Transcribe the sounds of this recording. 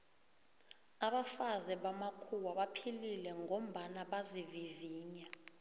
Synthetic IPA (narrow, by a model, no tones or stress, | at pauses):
aɓafazɛɓamakʰuwaɓapʰililɛŋʱom̩ɓanaɓaziviviːɲa